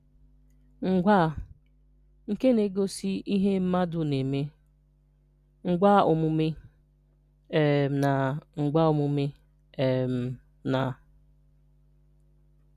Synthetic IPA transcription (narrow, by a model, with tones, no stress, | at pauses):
ŋ̩˨ɡʷa˦˨ | ŋ̩˨ke˦ne˨ɡo˦si˦i˦ɦe˦m̩˦ma˦dʊ˨ne˨me˦ | ŋ̩˨ɡʷa˦o˨mu˦me˦ | e˨na˨ŋ̩˨ɡ͡ba˦o˨mu˦me˦ | e˨m̩˨ | na˨